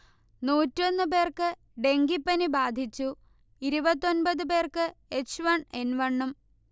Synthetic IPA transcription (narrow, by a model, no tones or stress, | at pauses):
nuːtːo̞nːɨpe̞ːrkɨ | ɖe̞ŋɡipːɐnibaːd̪ʱit͡ɕːu | iɾubɐt̪ːo̞nbɐðɨpe̞ːrkɨet͡ɕʋɐɳe̞nʋɐɳːum